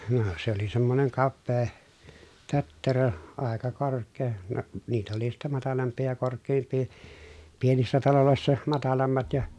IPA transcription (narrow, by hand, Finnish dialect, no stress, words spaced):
no se oli semːoneŋ kɑpːeː tøtːerø ɑˑekɑ korkˑeː no niːtæ oli sitːæ mɑtɑlɑmpˑiː jɑ korkˑeːmpˑiː pienisːæ tɑloloˑesːɑ mɑtɑlɑmːɑt jɑ